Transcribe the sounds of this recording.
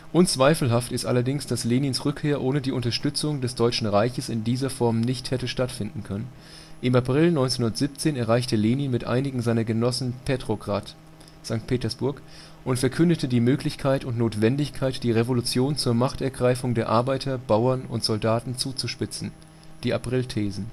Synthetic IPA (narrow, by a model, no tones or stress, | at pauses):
ʔʊnt͡sv̥aɪfl̩ɦaftɪstʔalɐdɪŋsd̥asleːniːnsʁʏkʰːeːɐʔoːnədiːʔʊntɐʃtʏt͡sʊŋdɛsd̥ɔʏt͡ʃn̩ʁaɪçəsɪndiːzɐfɔɐmnɪçthɛtəʃtatfɪndn̩kʰœnən | ʔɪmapʁ̥ɪlnɔʏnt͡senhʊndɐtz̥iːp̚t͡seːnɛɐʁaɪçtəleːniːnmɪtʔa̰ɪnɪɡŋ̩zaɪnɐɡənɔsn̩pʰeːtʁ̥oɡʁat | z̥aŋk̚tpʰeːtɐsb̥ʊɐk | ʔʊntfɛɐkʰʏndətʰədiːmøːklɪçkʰaɪtʊntnoːtv̥ɛndɪçkʰaɪtd̥iːʁevolʊt͡sjoːnt͡suːɐmaχtɛɐɡʁaɪfʊŋdeːɐʔaɐbaɪtʰɐbaʊɐnʊ̰ntz̥ɔldaːtn̩t͡suːt͡suʃpɪt͡sn̩ | d̥iːʔapʁ̥ɪltʰeːzn̩